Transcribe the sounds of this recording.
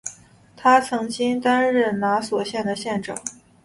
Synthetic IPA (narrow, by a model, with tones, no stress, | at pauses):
t̪ʰa˥t͡sʰɤ˧˥ŋt͡ɕi˥ŋt̪a˥nɻə˥˩nna˧˥swɔ˨˩ɕjɛ˥˩nd̪ə˩ɕjɛ˥˩nʈ͡ʂɑ̰˨˩˦ŋ